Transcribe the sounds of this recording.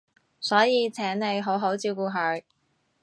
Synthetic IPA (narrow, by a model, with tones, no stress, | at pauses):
sɔː˨˥jiː˨˧t͡sʰɛː˨˥nne˨˧jɦo˨˥wɦo˨˥wt͡siː˧wkuː˧ɦœ˨˧ɥ